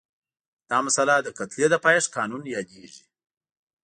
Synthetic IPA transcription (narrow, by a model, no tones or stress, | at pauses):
d̪̥ɑmasalad̪əkat̪ljed̪əpɑjʂkɑnunjɑd̪eʒi